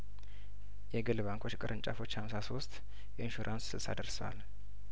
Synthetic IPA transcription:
jɛɡɨlβaŋkʰo̞t͡ʃkʼɨɾʔɨnt͡ʃʼafo̞t͡ʃːhamsaso̞st̪ | ʔɛinʃuɾʔanssɨlsa̰d̪əɾsəwa̰l

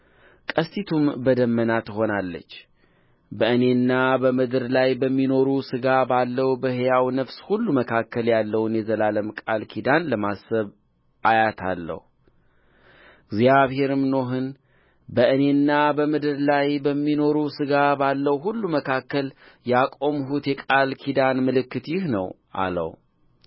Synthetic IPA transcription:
kʼəst̪ʰit̪ʰumbəd̪əmːənat̪ɨho̞nalːə̰t͡ʃː | bəʔɨne̞nːabəmɨd̪ɨɾlajbəmːino̞ɾusɨɡabalːəwbəhjawnəfshulːuməkʰakːəljalːəwnjɛzəlaləmkʼalkʰid̪anləmasəβ | ʔajat̪ʰa̰lːə̰hu | ɪɡzjaβhe̞ɾɨmno̞ɦɨn | bəɨne̞nːabəmɨd̪ɨɾlajbəmːino̞ɾusɨɡabalːəwɦulːuməkʰakːəljakʼo̞mɦut̪jɛkʼalkʰid̪anmɨlɨkːɨt̪jɪhnəw | ʔa̰lə̰w

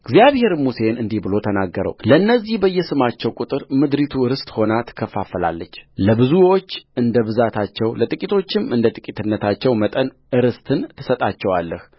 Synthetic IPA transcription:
ɡzijaβhe̞ɾmuse̞nɨnd̪ihbɨlo̞t̪ʰənaɡːəɾə̰wləɨnːəzːihbəjːɛsɨmat͡ʃːɛwkʼut̪ʼɨɾmɨd̪ɾit̪ʰuɨɾɨst̪ʼho̞nat̪ʰɨ̥kʰːəfːafəla̰lːət͡ʃːləbɨzuo̞t͡ʃːɨnd̪əβɨzat̪ʰat͡ʃːɛwlət̪ʼɨkʼit̪ʰo̞t͡ʃːɪmɨnd̪ət̪ʼɨkʼit̪ʰɨnːət̪ʰat͡ʃːɛwmət̪ʼən | ɨɾɨst̪ʰɨnt̪ʰɨsət̪ʼat͡ʃːɛwalːəh

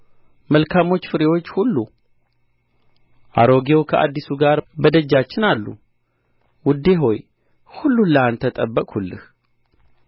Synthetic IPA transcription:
məlkʰamo̞t͡ʃːfɨɾewo̞t͡ʃːhulːu | ʔa̰ɾo̞ɡewkʰəʔa̰d̪ːisuɡaɾbəd̪əd͡ʒːat͡ʃːɪnalːṵ | wʊd̪e̞ɦo̞j | hulːulːəant̪ʰət̪ʼəbːəkʼhulːɨ̰h

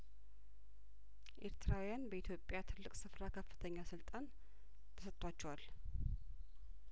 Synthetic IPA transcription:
ʔe̞ɾt̪ʰɨɾawijanbəit̪ʰjo̞pʼjat̪ʰɨlːɨkʼsɨfɾakʰəfːɨ̥t̪ʰəɲːasɨlt̪ʼan | t̪ʰəsət̪ʼːat͡ʃːɛwal

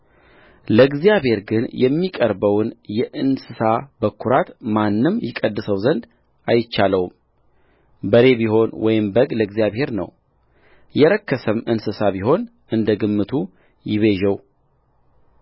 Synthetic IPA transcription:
ləɡzijaβhe̞ɾɡɨnjɛmːikʼəɾbəwnjɛʔɨnsɨsabəkʰːuɾat̪manːɨmjɪkʼəd̪ːɨsəwzənd̪ | ʔajɪt͡ʃːaləwm | bəɾe̞biho̞nwɔjɪmbəɡləɡzjaβhe̞ɾnə̰w | jɛɾəkːəsəmɨnsɨsaβiɦo̞n | ʔɨnd̪əɡɨmːɨt̪ʰu | jɪβe̞ʒɛw

